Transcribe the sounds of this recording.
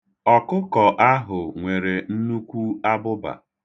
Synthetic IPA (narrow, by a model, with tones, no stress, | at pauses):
ɔ˨kʊ˦kɔ˨ʔa˦ɦʊ˨ŋʷe˨ɾe˨n̩˦nu˦kʷu˦a˦bʊ˦ba̰˨